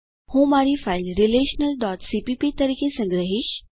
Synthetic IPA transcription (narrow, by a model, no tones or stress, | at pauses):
homaɾiːfailɾileɕnəlɖɔt̪sipipit̪əɾiːkʰesə̃ŋɡɾəɦiɕ